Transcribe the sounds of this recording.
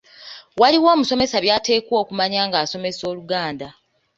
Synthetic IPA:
waliwo̞ːmuso̞me̞saβjaːte̞ːkwo̞ːkumaɲaːŋɡaːso̞me̞so̞ːluɡaːnda

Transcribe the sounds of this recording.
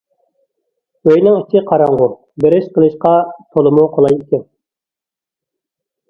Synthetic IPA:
øjnɪŋit͡ʃʰɪqʰɑɾɑɴʁʊ | bɪɾɪʃqəlˠɨʃqɑt̪ʰolˠɨmʊqʰolˠɑjikʲɛn

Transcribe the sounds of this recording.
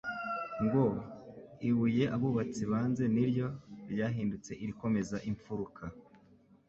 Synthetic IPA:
ŋɡo̞ | iβuje̞ʔaβuβat͡siβaːnze̞niɾjo̞ɾjaːɦiːndut͡se̞ʔiɾiko̞me̞zaʔiɱfuɾukʰa

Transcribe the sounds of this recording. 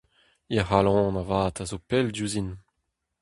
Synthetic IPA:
iaɦalɔ̃navaːtazopɛldjuzin

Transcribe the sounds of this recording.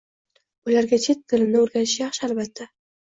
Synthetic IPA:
ʊlaɾɡʲat͡ʃʰe̞t̪̚ːɪlɪnɪoɾɡʲanɪ̥ʃjɑχʃalbat̪ʰːa

